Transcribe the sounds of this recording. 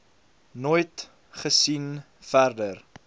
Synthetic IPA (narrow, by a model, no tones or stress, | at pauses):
nojt | χəsin | færdər